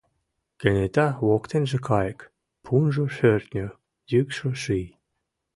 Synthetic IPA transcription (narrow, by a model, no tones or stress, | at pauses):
kenet̪ɑwokt̪enʒĕkʰɑjk | pʰunʒoʃørt̪nʲø | jykʃoʃij